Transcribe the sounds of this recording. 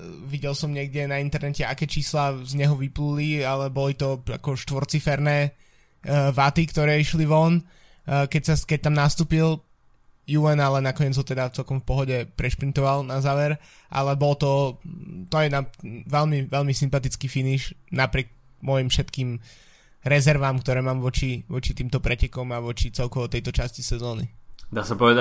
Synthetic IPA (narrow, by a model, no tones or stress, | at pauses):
ʋiɟɛlsɔmɲɪɛɡdɛnaint̪ɛɾnɛcɛa̰kɛːt͡ʃiːslaːzɲɛɦɔʋiplulialɛbɔlit̪ɔa̰kɔʃt̪ʋɔɾt͡sifɛɾnɛː | ʋat̪ikt̪ɔɾɛːiʃliʋɔn | kɛsaskɛc̚t̪amnast̪uːpil | juɛnalɛnakɔɲɛd͡zɦɔt̪ɛd̪aft͡sɛlkɔmfpɔɦɔɟɛpɾɛʃpɾint̪ɔʋalnazaːʋɛɾ | ʔa̰lɛbɔlɔt̪ɔ | t̪ɔjɛnaʋɛlmiʋɛlmisimpat̪it͡skiːfiniʃnapɾɪɛk̚ | mɔjimfʃɛt̪kiːm | ɾɛzɛɾʋamkt̪ɔɾɛːmaːmʋɔt͡ʃiʋɔt͡ʃit̪iːmt̪ɔpɾɛcɛkɔmaʋɔt͡ʃit͡sɛlkɔʋɔt̪ɛjt̪ɔt͡ʃascisɛzɔːnid̪aːsapɔʋɛd̪a